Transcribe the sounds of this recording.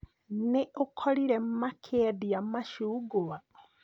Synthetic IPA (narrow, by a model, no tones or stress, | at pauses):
neʔokʰɔɾiɾɛm̩makʰɛdiamaʃuːɡowa